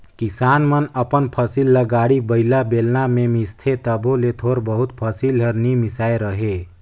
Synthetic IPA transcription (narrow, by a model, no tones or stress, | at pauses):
kisaːnmənəpənpʰəsilːəɡaɽibəɪlabelnamemist̪ʰet̪əbolet̪ʰoːɾbəɦut̪̚pʰəsilɦəɾnimisaːeɾəɦe